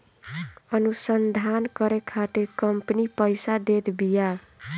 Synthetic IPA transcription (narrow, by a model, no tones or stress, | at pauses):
ʌnusənd̪ʱankʌɾekʰat̪iɾkʌmpnipəjsad̪et̪ʰbija